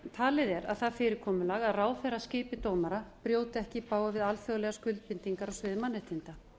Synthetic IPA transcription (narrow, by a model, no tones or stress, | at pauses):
t̪ʰaːlɪðɛɾa̰ðθaðfɪːɾɪɾkʰɔːmʏlaɣaðraːwfɛɾascɪːpɪt̪oːwmaɾapɾjoːwt̪ɪɛhcɪpaːwavɪðalfjɔðlɛɣaskʏlt̪̚pɪnt̪iŋkaɾawsvɪðmanːɪht̪ɪnt̪a